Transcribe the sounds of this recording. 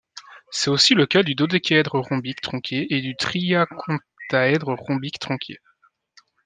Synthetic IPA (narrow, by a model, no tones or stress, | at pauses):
sɛt̪osiləkʲad̪yd̪od̪əkʲɛd̪ʁəʁɔ̃bikt̪χɑ̃kʲeed̪yt̪χiakʰɔ̃ | t̪aɛd̪ʁəʁɔ̃bikt̪χɑ̃kʲʰḛ